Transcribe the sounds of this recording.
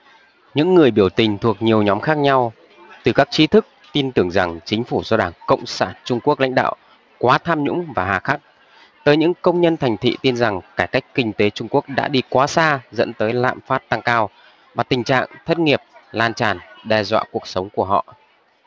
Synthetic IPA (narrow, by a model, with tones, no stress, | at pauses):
ɲɨ̰˧˥ŋːɨ˨˩əjɓi˧˩əwt̪ï˨˩ŋ̟t̪ʰu˨˩ək̚ɲi˨˩əwɲɔ˨˦mxaː˦˥k̚ɲa˧w | t̪ɨ˨˩kaː˦˥k̚t͡ɕi˨˦t̪ʰɨ˦˥k̚t̪i˧nt̪ɨ˧˩əŋza˨˩ŋt͡ɕï˨˦ŋ̟fu˧˩zɔ˧ɗaː˧˩ŋkə̰˧˨wŋ͡msaː˧˩nt͡ɕʊ˧ŋ͡mku˦˥ək̚la̰˧˥jŋ̟ɗa̰ː˧˨w | kwaː˨˦t̪ʰaː˧mɲʊ̰˧˥ŋ͡mmvaː˨˩haː˨˩xaː˦˥k̚ | t̪əː˨˦jɲɨ̰˧˥ŋkə˧wŋ͡mɲə˧nt̪ʰa˨˩jŋ̟t̪ʰḭ˧˨t̪i˧nza˨˩ŋkaː˧˩jka˦˥jk̟̚kï˧ŋ̟t̪e˨˦t͡ɕʊ˧ŋ͡mku˦˥ək̚ɗa̰ː˧˥ɗi˧kwaː˨˦saː˧zə̰˧˥nt̪əː˨˦jla̰ː˧˨mfaː˦˥t̚t̪a˧ŋkaː˧w | vaː˨˩t̪ï˨˩ŋ̟t͡ɕa̰ː˧˨ŋt̪ʰə˦˥t̚ŋi˨˩əp̚laː˧nt͡ɕaː˧˨˩nɗɛ˧zwa̰ː˧˨ku˨˩ək̚sə˨˦wŋ͡mku˧˩əɦɔ̰˧˨ʔ